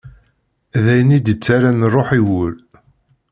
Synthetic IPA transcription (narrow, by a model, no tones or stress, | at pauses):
ðæjnid̪ət͡sːaɾanrˤːoħiwʊl